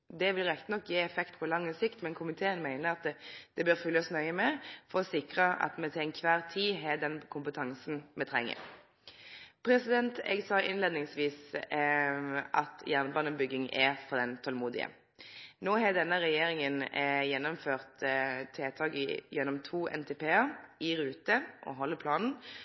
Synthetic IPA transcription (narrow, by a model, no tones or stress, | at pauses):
d̪ɛʋɪlʁɛkt̪ənɔkːjeːɛfɛkt̪pʰɔlɑŋːəsɪkt̪mɛnkʰʊmɪt̪ʰeːənmæɪnəʁɑt̪d̪̥ɛbøːʁfʉlːəɔsnœʏəmɛfɔʁɔsɪkʁəɑ̰t̪mɛt̪ʰɛŋkʰʋæːʁt̪ʰiːɦɛd̪ɛnkʰʊmpət̪ʰɑŋsn̩mɛt̪ʰʁɛŋːə̰ʁ | pʰɾɛsɪd̪ɛnt̪ɛ̰ɡsɑːʔɪ̰nleːd̪nɪŋsʋiːs | ʔɑt̪jæʁnəbɑnəbʏɡɪŋɛfɔʁd̪ɛnt̪ʰɔlmuːd̪ɪ̰ə̰ | noːɦɛd̪ɛnːəʁɛjeːɾɪŋənjɛnːɔmføːʁt̪t̪ʰːeːt̪ʰɑːkɪ̰jɛnːɔmt̪ʰuːʔɛ̰nt̪ʰɛːpʰeːəɾɪɾʉːt̪əʔɔ̰ɦɔlːəpʰlɑːnn̩